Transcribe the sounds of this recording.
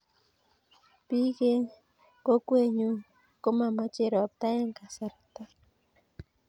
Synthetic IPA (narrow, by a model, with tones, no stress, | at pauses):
pi˦ke˦ | ko˦kwe˦ɲu˦ | ko˦ma˨ma˦t͡ʃe˦ɾɔ˨p̚t̪a˦e˦ŋka˨sa˨ɾat̪a˦